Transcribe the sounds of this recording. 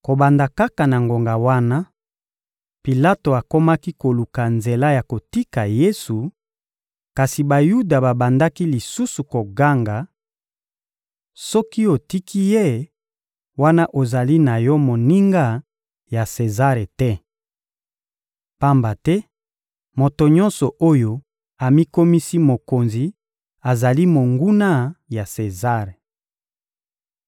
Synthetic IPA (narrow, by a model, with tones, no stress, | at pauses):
ko˨ba˨nda˨ka˦ka˨na˨ŋɡo˨ŋɡa˨wa˦na˦ | pi˨la˦to˨a˨ko˦ma˦ki˦ko˨lu˨ka˨nze˨la˦ja˨ko˨ti˦ka˨je˦su˨ | ka˨si˨ba˨ju˦da˨ba˨ba˨nda˦ki˦li˨su˦su˨ko˨ɡa˦ŋɡa˨ | sɔ˦ki˦o˨ti˦kʰi˦je˦ | wa˦na˦ʔo˨za˨li˦na˨jɔ˦mo˨ni˦ŋɡa˦ | ja˨se˨za˦ʁe˨tɛ˦ | pa˦mba˨tɛ˦ | mo˨to˨ɲɔ˦nsɔ˨ʔo˦jo˦ | a˨mi˦ko˦mi˦si˦mo˨ko˨nzi˨ | a˨za˨li˦mo˨ŋɡu˦na˦ja˨se˨za˦ʁe˨